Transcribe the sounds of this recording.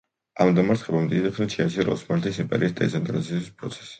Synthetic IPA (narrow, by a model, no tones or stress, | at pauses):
amd̪amaɾt̪ʰχɛbamd̪id̪ɛχnit͡ʃʰiaʃiɾɔ̰smaɾt̪ʰisimpʼɛɾiːsd̪ɛ̰t̪sʰɛnt̪ʼɾa̰t̪sʰispʼɾɔt̪sʰɛ̥si̥